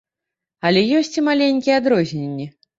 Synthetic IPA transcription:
ɐlʲɛjɔsʲt͡sʲimalʲenʲkʲijɛad̪ɾɔzʲnʲenʲːi

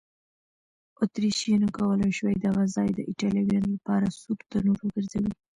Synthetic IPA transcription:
ʊt̪ɾiʃenəkawəlajʃwajd̪aɣazɑjd̪əʔɪʈɑljɑɡjɑnlapɑɾasud̪t̪əɾnoɾəɡəɾzawi

